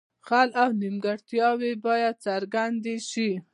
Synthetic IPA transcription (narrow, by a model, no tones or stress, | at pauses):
xalʔawnimɡaɽt̪jɑwebɑjad̪̚t͡saɾɡand̪eʃi